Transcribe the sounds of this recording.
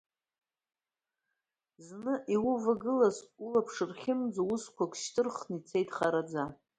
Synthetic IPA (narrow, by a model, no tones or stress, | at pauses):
znɨʔiwʊvaɡɨlasulapʰʂɨrχʲɪmd͡zawʊskʷʰakʷʃtʰɨrχnit͡sʰe̞jtʰʼχaɾad͡za